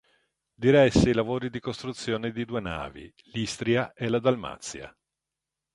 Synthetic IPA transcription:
d̪iɾɛsːeilavoːɾid̪ikost̪ɾut̪sːjoːned̪id̪uːena̰ːvḭ | list̪ɾiaʔelad̪alma̰t̪sːja̰

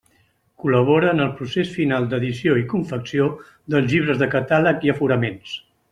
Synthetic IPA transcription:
kuləβ̞oɾəːnəlˠpɾusesfinalˠd̪əðisioikuɱfəksio | ðəlˠzʎiβɾəzðəkət̪aləkiəfuɾəmens

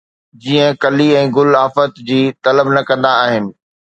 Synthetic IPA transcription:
d͡ʑiːə̃kɐliɛ̃ːɡʊlaːfət̪d͡ʑiːt̪ɐləbnɐkɐ̃nd̪aːɦɪnɪ̆

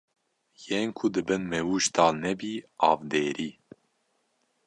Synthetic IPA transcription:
jeːnkʰud̪ɨbɨnmɛwuʒt̪ʰɑːlnɛbiːɑːvd̪eːɾiː

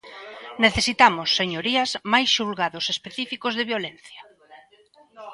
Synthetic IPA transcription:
neθesit̪amʊsːeɲoɾiɐzmajsʃulɣaðʊsespeθifikozðeβjolen̟θjɐ

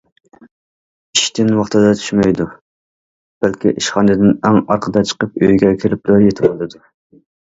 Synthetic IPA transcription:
iʃt̪ɪnwɑχt̪ɨd̪ɑt̪ʰy̥ʃmɛjd̪u | b̥ælkʲiʔiʃχɑnɨd̪ɪnɛŋɑɾqʰəd̪ɑt͡ʃʰə̥qəp̚ø̰jɡʲɛkʲʰiɾɪp̚lʊɾjet̪ʰɪbolˠɨd̪u

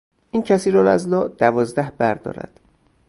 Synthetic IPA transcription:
ʔiːncʰæsiːɾɒlæ̰zlɒːʔd̪ævɒːzd̪æhbæɾd̪ɒ̰ːɾæ̰d̪̥

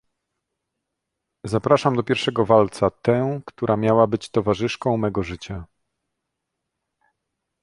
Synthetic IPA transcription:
zapɾaʂamd̪ɔpʲjɛɾfʂɛɡɔvalt̪sat̪ɛkt̪uɾʔamʲjawabɘt͡ɕt̪ɔvaʐɘʂkɔ̃w̃mɛɡɔʐɘt͡ɕa

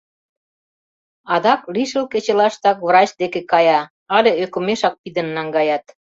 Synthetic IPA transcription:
ɑd̪ɑkliʃəlket͡ɕĕlɑʃt̪ɑkvrɑt͡ɕd̪ekekɑjɑ | ɑlʲeøkomeʃɑk̚pid̪ə̆nːɑŋɡɑjɑt̪

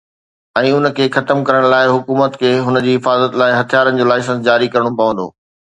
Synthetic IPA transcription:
ɛ̃ːʊnəkʰeːxɐt̪əmkɐɾəɽ̃laːɪɦʊkuːmət̪kʰeːɦʊnəd͡ʑiːɦɪfaːzət̪laːɪɦɐt̪ʰijaːɾənɪ̆d͡ʑoːlaːɪsə̃ns̬d͡ʑaːɾikɐɾəɽ̃opɐʋə̃nd̪o̰ː

